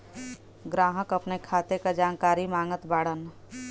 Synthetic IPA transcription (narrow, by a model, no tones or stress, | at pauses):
ɡɾaːɦəkɐpnekʰaːt̪ekad͡ʒaːnkaːɾimaːŋət̪baːɽən